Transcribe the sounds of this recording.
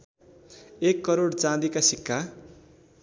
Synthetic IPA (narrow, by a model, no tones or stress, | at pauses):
ekːʌɾoɽt͡sãd̪ikasikːa